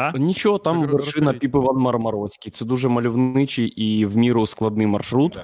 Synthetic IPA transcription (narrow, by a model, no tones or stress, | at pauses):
nʲit͡ʃɔɦɔt̪ɑmʋɛrʂɪnɐpʲipɪʋɐnmɐrmɐɾɔsʲkʲijt̪sɛd̪uʐɛmɐlʲʊwnɪt͡ʃɪjiwmʲiɾʊsklˠɐd̪nɪjmɐrʃɾut̪